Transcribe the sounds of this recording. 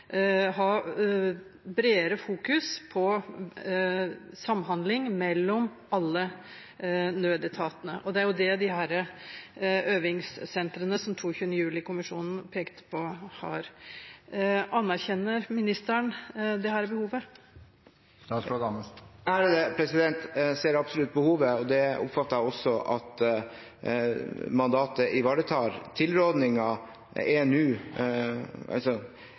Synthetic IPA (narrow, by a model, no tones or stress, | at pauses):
ɦɑ | bɾeːəɾəfuːkʉspʰɔ | sɑmːɦɑnd̪lɪŋmɛlːɔm | ɑlːə | nøːd̪ɛt̪ʰɑːt̪ənə̰ʔɔd̪ɛæɾjʊd̪ɛd̪ɪhæːɾə | øːʋɪŋsːɛnt̪ɾənəsɔmt̪ʰuːçʉːənəjʉːlɪkʊmɪʂṵːnn̩pʰeːkt̪pʰɔhɑ̰ɾ | ʔɑnːæɾçɛnːəɾmɪnɪst̪æɳd̪ɛhæːɾbəhuːʋə | æɖɛd̪ɛpʰɾɛsɪd̪ɛnt̪seːɾɑbsɔlʉt̪̚ːbəhuːʋəɔd̪ɛʊ̰pfɑt̪ːɑɾæɔsːɔʔɑ̰t̪ | mɑnd̪ɑːt̪əʔɪʋɑːɖət̪ʰɑːɾt̪ʰɪlɾoːd̪nɪŋɑ | enʉː | ɑ̰sɔ